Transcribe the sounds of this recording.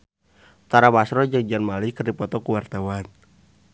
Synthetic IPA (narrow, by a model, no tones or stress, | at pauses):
t̪aɾabasɾɔd͡ʒɨŋd͡ʒanmalikərdipɔt̪ɔkuwart̪awan